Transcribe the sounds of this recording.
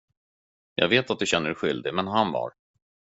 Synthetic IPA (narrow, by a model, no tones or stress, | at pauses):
jɑ̰ːɡveːt̪at̪̚d̪ɵɕɛnːəɾɛɧʏld̪ɪmɛnɦanva̰ɾ